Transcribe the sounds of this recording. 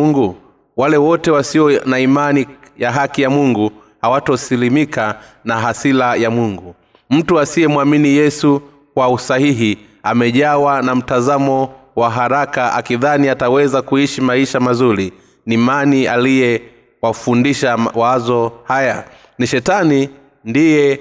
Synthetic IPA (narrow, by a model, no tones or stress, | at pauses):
ŋɡu | walɛwɔtɛwasiɔnaimani | jaɦakijamuŋɡu | hawatɔsilimikʰa | naɦasilajamuŋɡu | m̩tuasiɛmwaminijɛsu | kwausahiɦi | amɛʄawanam̩tazamɔwaɦaɾakaa̰kiðaniatawɛzakuiʃimaiʃamazuɾi | nimanialijɛ | wafundiʃawazɔhaja | niʃɛtani | ndijɛ